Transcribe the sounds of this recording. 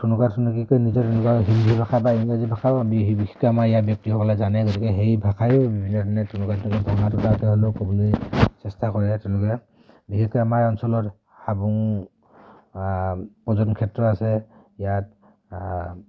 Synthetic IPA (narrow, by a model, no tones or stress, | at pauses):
tʰunukatʰunɔkikɔjnizɔtɛlɔkaɦimdʱibʱakʰabaiŋazibʱakʰabɔbibikʰɛ̥kɔamaijabjɔk̚tiɦɔkɔlazanɛɡɔtikɛɦejbʱakʰajɔbibʱinːɔtʰanɛtʰunukatʰtɔkɔdʱɔŋatɔtatɛɦɔlokɔbulisɛstakɔɹɛtɛnlɔkɛ | bikʰɛkɔamajɔnsɔlɔt | habuŋ | pɔzɔnkʰɛtɹɔasɛ | ijat̚